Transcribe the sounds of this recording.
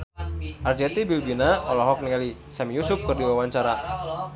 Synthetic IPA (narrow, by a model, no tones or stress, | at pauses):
ʔard͡ʒɛt̪ibilbinaɔlɔɦɔk̚nialisamijusʊp̚kɨrdiwawaɲt͡ʃaɾa